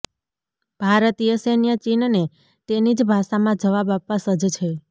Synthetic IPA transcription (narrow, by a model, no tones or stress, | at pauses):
b̥ʱaɾət̪ijəsenijət͡ʃinne | t̪enid͡ʒbʱaʃamãd͡ʒəʋabapʋãsəd͡ʒt͡ʃʰe